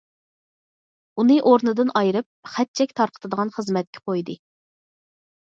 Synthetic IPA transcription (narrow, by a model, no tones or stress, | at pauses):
unɨʔoɾnɨd̪ɨnʔɑjɾɨp̚χɛt̪̚t͡ʃʰɛkʲt̪ʰɑɾqʰə̥t̪ʰɨd̪əʁɑnχəzmɛt̪̚kʲʰɛ̥qʰojd̪ɨ